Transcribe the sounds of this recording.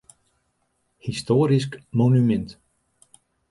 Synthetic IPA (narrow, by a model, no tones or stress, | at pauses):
histoːɾiskmonymɛnt